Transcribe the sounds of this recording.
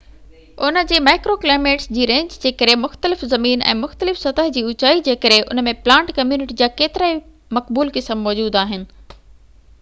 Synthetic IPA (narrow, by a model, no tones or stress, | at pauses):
ʊnə̆d͡ʑeːmaːɪkɾoːklaːɪmeːʈsd͡ʑiːɾẽːɲd͡ʑd͡ʑeːkəɾemʊxt̪əlɪfzɐmiːnɛ̰̃ːmʊxt̪əlɪfsɐt̪əɦd͡ʑiːʊt͡ɕaːid͡ʑeːkəɾeʔʊ̰nəmẽplãːɳʈkɐmjuːnɪʈid͡ʑaːkeːt̪ɪɾaːi | mɐkbuːlkɪsəmːɔːd͡ʑuːd̪aːɦɪnɪ̆